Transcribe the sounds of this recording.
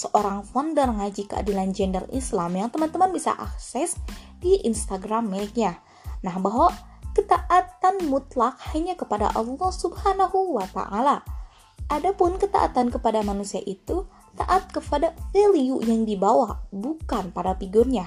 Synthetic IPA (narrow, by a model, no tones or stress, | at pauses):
səʔoɾaŋfɔndərŋad͡ʒikəa̰diland͡ʒɛndərḭslamjaŋt̪əmant̪əmanbisa̰ʔaksɛsdiʔinst̪aɡɾamːəik̚ɲa | nahbaɦwakət̪aʔat̪anmut̪lak̚haɲakəpada̰ʔɑlˠːɔhsubhanaɦuwat̪a̰ʔala | ʔadapʊnkət̪a̰ʔa̰t̪ankəpadamanusiaʔit̪u | t̪aʔat̪̚kəfadafeliuʔjaŋdibawabukanpadapiɡɔrɲa